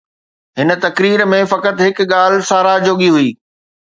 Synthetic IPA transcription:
ɦɪn̆t̪ɐkɾiːɾmẽfɐkət̪ɦɪkɠaːl̤saːɾad͡ʑoːɠiɦʊiː

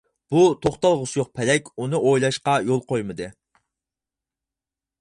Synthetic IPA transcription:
b̥ut̪ʰoχt̪ɑlˠʁʊsjoq̚pʰɛlɛkʲunɨʔojlˠɑʃqɑjolˠqʰojmɨd̪ɨ

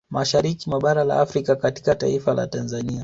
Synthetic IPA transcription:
maʃaɾikimwaɓaɾala̰afɾikakati̥kata̰ifala̰tanzania

